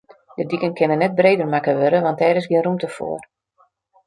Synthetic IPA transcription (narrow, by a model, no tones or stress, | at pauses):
dədikənkʰɪnənːɛt̚breːdərmakəʋøɾəʋɑnt̚dɛːɾɪsɡiɪənrumtəfo̰ːər